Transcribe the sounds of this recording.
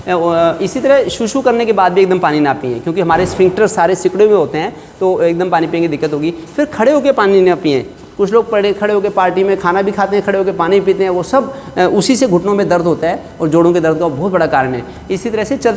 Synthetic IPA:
ɪsit̪ɐɾəʃʊʃukɐɾnekebaːd̪̚bʱieːk̚d̪əmpaːninapḭɦɛ̃ːkjõːkiɦɐmaːɾespʰɪ̃ŋkʈəɾːaːɾesɪkɽjõmẽɦoːt̪eɦɛ̃ː | t̪oeːk̚d̪əmpaːnipiẽːŋɡed̪ɪkːət̪ɦoːɡiːfʰɪɾkʰɐɽeɦoːkepaːninapiːɛ̰̃ː | kʊt͡ʃʰloːɡ̚pɐɽekʰɐɽeɦoːkepaːɾʈimẽkʰaːnabʱikʰaːt̪eɦɛ̃kʰɐɽeɦoːkepaːnibʱipiːt̪eɦɛ̃ʋosɐbʊsiseɡʱʊʈnõmẽd̪ɐɾd̪ʱɦoːt̪aɦɛː | ɔːɾd͡ʒoːɽõked̪ɐɾd̪̚kabɔːt̪bɐɽakaːɾəɳɦɛ̰ː | ɪsit̪ɐɾəɦset͡ʃɐl

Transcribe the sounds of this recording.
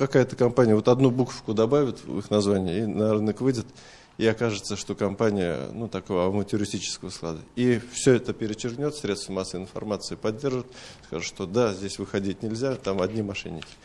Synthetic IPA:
kɐkajət̪əkɐmpanʲɪjəvo̞t̪ɐd̪nubukə̥fkʊd̪ɐbavʲɪt̪ɨ̰xnɐzvanʲɪjəinɐɾɨnəkvɨdʲɪt̪ | iɐkaʐɨt̪səʂt̪o̞kɐmpanʲɪjə̰nut̪ɐkovəɐmətʲʊɾʲɪsʲtʲit͡ɕɪ̥skəvəsklˠa̰d̪əifsʲɵɛt̪əpʲɪɾʲɪt͡ɕːɪrɡnʲo̞t̪sʲɾʲe̞t̪st̪vmasəəɨɪnfɐ̰rmat̪sɨɪpɐdʲːe̞rʐɨt̪ska̰ʐɨt̪ʂt̪o̞d̪azʲdʲesʲvɨxɐdʲitʲnʲɪlʲzʲat̪amɐdʲnʲimɐʂɛ̰nʲːɪkʲɪ̥

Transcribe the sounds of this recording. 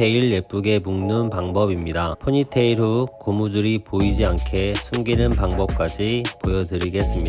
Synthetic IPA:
eiɭːep͈uɡe̞muŋnɯnpaŋbʌbimɲidapʰoɲitʰe̞iɾukomudɯɾipoid͡ʑiankʰe̞sʰuŋɡinɯnpaŋbʌp̚k͈ad͡ʑipojʌdɯɾiɡe̞s͈ɯmɲi

